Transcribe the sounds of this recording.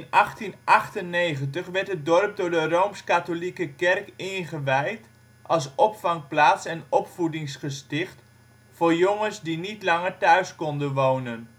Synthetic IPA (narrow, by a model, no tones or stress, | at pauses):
nɑχtinʔɑχtənejχəntəχʋɛɹtədɔrp̚dʊːɹdərowmskatolikəkɛrkɪnχəʋɛjt | ʔɑlˠs̬ɔpfɑŋplaːtsɛnɔpfudɪŋsχəstɪχt | fʊːɹjoŋənsdinitlɑŋəɹtœɥskɔndənʋownən